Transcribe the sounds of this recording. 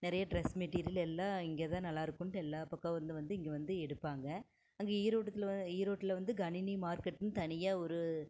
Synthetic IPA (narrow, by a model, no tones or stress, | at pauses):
nɪɾɐjɐɖɾɛsmɛʈːiːɾɪjlɛlːãːɪŋɡeːt̪ãːnɐlːaːɪɾɯkːʊɳʈɛlːaːpɐkːɐʋɐɾɯnd̪ɯʋɐnd̪ɯɪŋɡeːʋɐnd̪ɯɛɽɯpːaːŋɡɐ | ɐŋɡeːiːɾoːʈːɐt̪ːliːɾoːʈːɪlʋɐnd̪ɯɡɐnɪnimaːɾkɛʈːɯnɯt̪ɐnɪjɐɔɾɯ